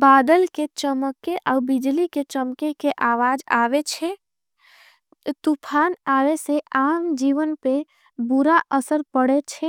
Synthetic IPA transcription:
baːd̪əlket͡ʃəməkːeʔɔːbɪd͡ʒliket͡ʃəmkekeʔaːʋaːd͡ʒaːwet͡ʃʰe | t̪upʰaːnaːʋeseaːmd͡ʒiːʋənpe | bʊɾaʔəsəɾpəɽet͡ʃʰɛ

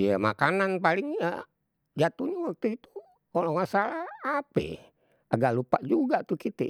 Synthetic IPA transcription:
jama̰kananpaliŋə̰ | d͡ʒat̪uɲawak̚t̪uit̪u | olɔŋasalahapɛ̰ | aɡaʔlupaʔd͡ʒuɡat̪ukit̪ɛ̰

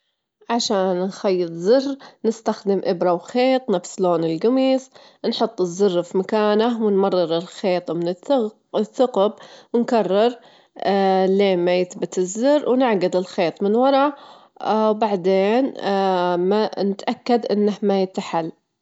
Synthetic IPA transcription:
ʕaʃaːnxajːɨt̪ˤzɪrnɪst̪axd̪ɪmʔɪbɾˤɑwxeːt̪ˤnafsloːnɪlɡamiːs | nħʊt̪ˤːɨzːʊrːfimakaːnawɪnmɑrˤːɨɾɪlxeːt̪ˤmɪnɪ | θːʊqbwɪnkɑrˤːɑɾˤ | leːmːajɪθbɪt̪ɪzːʊrːwnɪʕɡɪd̪ɪlxeːt̪ˤmɪnwɑɾˤɑ | wbaʕd̪eːn | manɪt̪ʔakːad̪ʔɪnːahmajɪt̪ːaħal

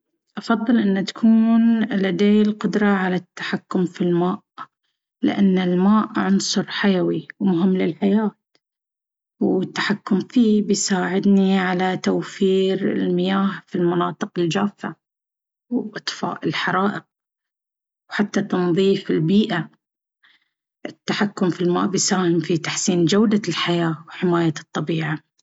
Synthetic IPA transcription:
ʔɑfɑðˤːɨlʔɪnːat̪ḁkʰuːnlad̪eːlqʊd̪ɾˤɑʕalat̪ːḁħakːʊmfilmaːʔ | lɪ̰ʔanːɪlmaːʔʕʊnsˤʊɾˤħajawiwmʊɦɪmːlɪlħajaːt̪ | wɪt̪ːḁħakːʊmfiːbɪjsaːʕɪd̪niʕalat̪awfiːɾɪlmɪjaːhfilmɑnɑːt̪ˤɨqɪld͡ʒaːfːa | wʔɑt̪ˤfa̰ːʔɪlħɑɾˤɑːʔɪq̚ | wħat̪ːat̪ɑnðˤiːfɪlbiːʔa | ʔɪt̪ːaħakːʊmfilma̰ːʔbɪjsaːhɪmfit̪aħsiːnd͡ʒawd̪alħajaːwħɪmaːjat̪ˤːɑbiːʕa

